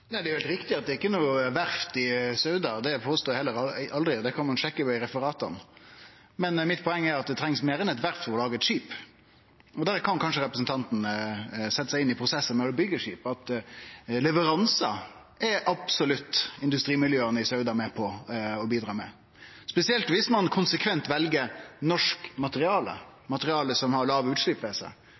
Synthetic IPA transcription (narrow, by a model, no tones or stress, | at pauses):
næɪd̪ɛɾʋɛlt̪ɾɪkt̪ɪɑt̪̚d̪ɛːɪkːənuːʋæɾft̪ɪsœʉd̪ɑd̪ɛpʰoːst̪oːhɛlːəɾɑɑld̪ɾɪd̪ɛkʰɑnmɑnʂɛkːəpɔɪɾɛfəɾɑːt̪ɑ̰n | mɛnmɪt̪̚pʰɔɛŋːæɾɑt̪̚d̪ɛt̪ʰɾɛŋsmeːɾɛnɛt̪ʋæɾft̪fɔʁɔlɑːɡəɛt̪ʂiːp | ɔd̪æɾkʰɑnkʰɑnʂəɾɛpɾəsn̩t̪ʰɑnt̪n̩sɛt̪ːəsæɪɪnːɪpʰɾʊsɛsːənmɛbʏɡəʂiːpɑt̪ | lɛʋəɾɑnsɑ̰ | ɛɾʔɑbsɔlʉt̪ːɪnd̪ʉst̪ɾiːmɪljøːənəɪsœʉd̪ɑmɛpʰɔɔbiːd̪ɾɑːmɛ | spɛsɪɛlt̪ʋɪsmɑnkʰʊnsəkʰʋɛnt̪ʋɛlɡənɔʂkmɑt̪əɾɪɑːlə̰mɑt̪əɾɪɑːləsɔmhɑɾlɑːʋʉːt̪ʂlyːpʋɛsə̰